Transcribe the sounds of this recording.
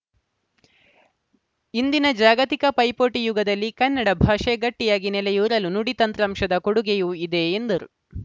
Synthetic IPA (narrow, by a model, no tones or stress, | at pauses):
ind̪inɐd͡ʒaːɡɐt̪ikɐpɐjpoːʈijuɡɐd̪ɐlːikɐnːɐɽɐbʱaːʂeɡɐʈːijaːɡinɛlɛjuːɾɐlunuɽit̪ɐnt̪ɾɐmʂɐd̪ɐkoɽuɡejuid̪e̞ːnd̪ɐɾu